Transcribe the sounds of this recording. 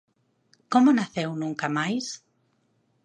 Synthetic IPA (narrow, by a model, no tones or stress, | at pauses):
komonaθewnũŋkamajs